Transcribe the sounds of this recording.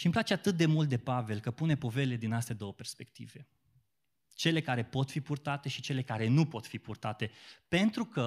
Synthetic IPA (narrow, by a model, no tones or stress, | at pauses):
ʃimplat͡ʃe̞at̪ɨt̪̚d̪e̞mult̪̚d̪e̞pave̞lkəpune̞po̞ve̞led̪inast̪ed̪o̞wəpe̞rspe̞kt̪ḭve̞ | t͡ʃe̞le̞kaɾe̞po̞t̪fipurt̪at̪e̞ʃi̥t͡ʃe̞le̞kaɾe̞nupo̞t̪fipurt̪at̪e̞pe̞nt̪ɾukə